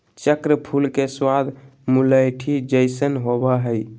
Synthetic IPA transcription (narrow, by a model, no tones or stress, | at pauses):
t͡ʃəkɾəpʰulkeswad̪ʱmuləjʈʰid͡ʒəɪsənɦobaɦəj